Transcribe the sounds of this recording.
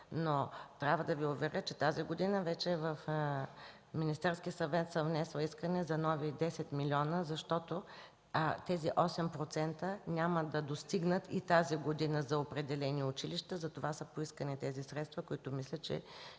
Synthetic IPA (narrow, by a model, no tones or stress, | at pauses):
not̪ɾʲavəd̪ɐviʊvɛɾʲʔət͡ʃɛt̪aziɡod̪inəvɛt͡ʃɛvəf | minist̪ɛɾskʲiəsɐvɛt̪səvnɛsɛlˠiskənɛzɐnɔvid̪ɛsɛt̪milʲiɔnəzɐʃt̪ɔt̪o | t̪ɛziʔɔsɛmpɾot̪sɛnt̪ənʲaməd̪ɐd̪ost̪iɡnət̪it̪aziɡod̪inəzɐopɾɛd̪ɛlɛniʊt͡ʃiliʃt̪əzɐt̪ovasəpoiskənit̪ɛzisɾɛt̪st̪vəkoit̪ʊmislʲət͡ʃɛ̰